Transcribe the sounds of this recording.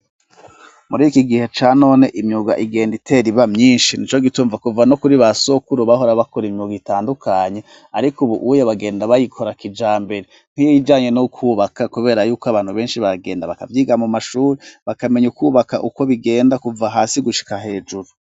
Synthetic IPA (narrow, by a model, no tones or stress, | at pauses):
muɾiːkiɡihe̞t͡ʃaːno̞ːne̞ʔimɲuɡa̰ʔiɡe̞ːnditʰe̞ɾiβamɲiːnʃinit͡ʃo̞ɡituːɱvakuvano̞kuɾiβaso̞kuɾuβaho̞ɾaβakoɾimɲuɡitaːndukʰaɲe̞ | aɾikuβuʔujaβaɡe̞ːndaβajikʰoɾakid͡ʒaːmbe̞ɾe | n̥hijojid͡ʒaːɲe̞nokʰuːβakakuβe̞ːɾajuːkoaβaːn̥uβe̞ːnʃiβaɡe̞ːndaβakavjiːɡamumaʃuːɾiβakame̞ɲukuβakaʔuko̞βiɡe̞ːndakuvaɦaːsiɡuʃi̥kaɦe̞ːd͡ʒuɾu